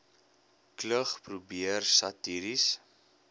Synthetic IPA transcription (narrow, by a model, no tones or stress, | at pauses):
kləχprubiərsɐtiɾis